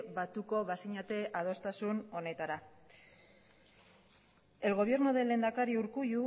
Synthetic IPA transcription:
βat̪uko̞βasiɲat̪e̞ʔað̞o̞st̪asuno̞ne̞t̪aɾa | e̞lɣ̞o̞β̞je̞ɾnuðele̞ːnd̪akaɾiuɾkuju

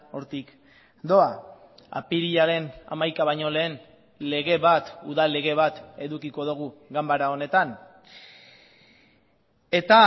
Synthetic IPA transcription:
o̞ɾt̪ik | d̪o̞a | a̰piɾiʎaɾe̞na̰majkaβajɲo̞le̞ːn | le̞ɣe̞βat̪uðalːe̞ɣe̞β̞at̪e̞ðukiko̞ðuɣ̞uɣambaɾao̞ne̞t̪an | e̞t̪a

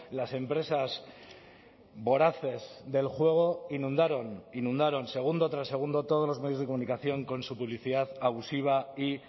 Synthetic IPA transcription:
lase̞mpɾe̞sas | bo̞ɾaθe̞zðe̞lxwe̞ɣ̞o̞inũnd̪aɾoninũnd̪aɾo̞nse̞ɣ̞und̪o̞t̪ɾase̞ɣ̞und̪o̞t̪o̞ð̞lo̞zme̞ðjo̞zðeko̞munikaθjo̞ŋko̞nsupuβliθiðaðaβusiβ̞ai

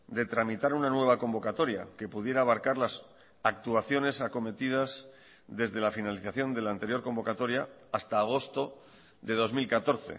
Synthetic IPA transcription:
d̪e̞t̪ɾamit̪aɾunanwe̞β̞ako̞mbo̞kat̪o̞ɾja̰ke̞puðje̞ɾaːβ̞aɾkaɾlas | ak̚t̪uaθjo̞ne̞sako̞me̞t̪ið̞az | ðe̞zðe̞lafinaliθaθjo̞nd̪e̞laːnt̪eɾjo̞ɾko̞mbo̞kat̪o̞ɾjaː | st̪aːɣ̞o̞st̪o̞ | ðe̞ð̞o̞zmilkat̪o̞ɾθe̞̰

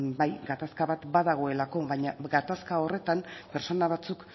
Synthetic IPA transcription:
bajɡat̪askaβat̪baðaɣ̞o̞e̞lako̞βaɲaɡat̪askao̞re̞t̪ampe̞ɾso̞naβ̞at͡suk

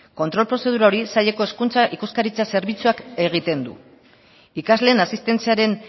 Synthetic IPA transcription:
ko̞nt̪ɾo̞lpɾo̞se̞ð̞uɾao̞ɾisaʎe̞ko̞e̞skunt͡saʔikuskaɾit͡sase̞ɾβit͡suake̞ɣ̞it̪e̞nd̪ṵ | ikazle̞ːnasist̪e̞nt͡siaɾe̞n

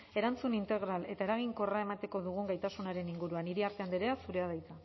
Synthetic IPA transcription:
e̞ɾant͡sunint̪e̞ɣ̞ɾale̞t̪ae̞ɾaɣ̞iŋko̞rae̞mat̪e̞ko̞ðuɣ̞uŋɡajt̪asunaɾe̞niŋɡuɾuaniɾiaɾt̪e̞and̪iɾeasuɾe̞aðajt͡s̪a

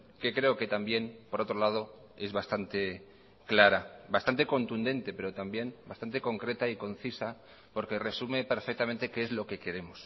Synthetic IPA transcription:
ke̞kɾe̞oke̞t̪ambje̞npo̞ɾo̞t̪ɾo̞lað̞o̞ | e̞zβast̪ant̪e̞ | klaɾabast̪ant̪e̞ko̞nt̪und̪ẽ̞nt̪e̞pe̞ɾot̪ambje̞mbast̪ant̪e̞ko̞ŋkɾe̞t̪aiko̞n̟θisa | po̞ɾke̞re̞sume̞pe̞ɾfek̚t̪ament̪e̞keezlo̞ke̞ke̞ɾe̞mos

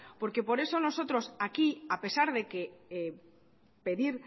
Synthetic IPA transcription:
po̞ɾke̞po̞ɾe̞so̞no̞so̞t̪ɾo̞sakiape̞saɾðe̞ke̞ | pe̞ðiɾ

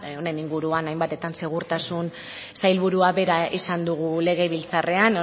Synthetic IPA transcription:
one̞niŋɡuɾuanajmbat̪e̞t̪anse̞ɣ̞uɾt̪asun | sajlβuɾuaβe̞ɾaʔisand̪uɣ̞ule̞ɣ̞e̞βilt͡sare̞an

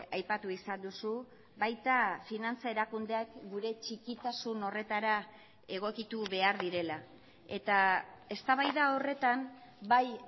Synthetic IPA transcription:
ajpat̪uisand̪usu | βajt̪afinant͡sae̞ɾakund̪eakɡuɾe̞t͡ʃikit̪asuno̞re̞t̪aɾa | e̞ɣ̞o̞kit̪uβe̞aɾðiɾe̞la | e̞t̪ae̞st̪aβajðao̞re̞t̪ambaj

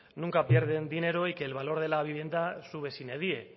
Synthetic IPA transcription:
nuŋkapje̞ɾð̞e̞nd̪ine̞ɾo̞ike̞ːlβalo̞ɾð̞e̞laβ̞iβ̞je̞nd̪asuβ̞e̞sineðie̞

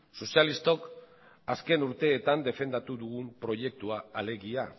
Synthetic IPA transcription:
so̞sialist̪o̞k | aske̞nuɾt̪e̞ːt̪and̪e̞fe̞nd̪at̪uðuɣumpɾo̞je̞k̚t̪uaːle̞ɣia

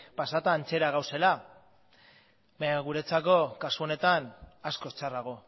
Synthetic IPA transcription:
pasat̪aːnt͡se̞ɾaɣ̞awse̞la | baɲaɣ̞uɾet͡sako̞kasuo̞ne̞t̪anasko̞st͡saraɣ̞o̞

